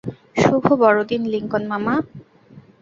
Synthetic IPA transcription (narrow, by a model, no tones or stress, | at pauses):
ʃubʱobɔɾod̪inliŋkonmama